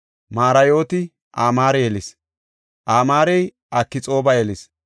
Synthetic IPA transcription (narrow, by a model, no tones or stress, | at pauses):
maːɾɐjo̞ːt̪ɪ | ʔaːmaːɾɛjɛlɪs | ʔaːmaːɾɛj | ʔɐkːɪt͡sʼo̞ːbɐjɛlɪs